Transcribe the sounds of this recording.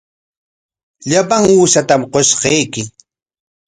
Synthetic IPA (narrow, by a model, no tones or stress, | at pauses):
ʎapaŋuːʃat̪amqosqejkɪ